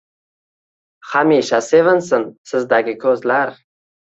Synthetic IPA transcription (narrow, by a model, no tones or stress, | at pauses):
hamiʃasevɪnsɪnsɪzd̪aɡʲɪkʲʰɵzlaɾ